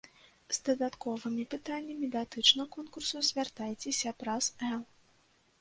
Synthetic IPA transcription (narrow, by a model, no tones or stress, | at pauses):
zd̪ɐd̪at̪kɔvɨmʲipɨt̪anʲːɐmʲid̪ʲat̪ɨt͡ʂnɐkɔnkursuzʲvʲart̪ajt͡sʲɛsʲɐpɾasɛlˠ